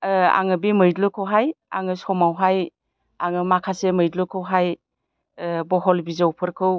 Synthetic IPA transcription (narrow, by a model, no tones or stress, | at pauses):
a̰ŋɯbimɯjdlɯkʰɯwɦaja̰ŋɯsɔmawɦaj | aŋɯmakʰasemɯjdlɯkʰɯwɦaj | bɔɦɔlbizawpʰɯɾkʰɯw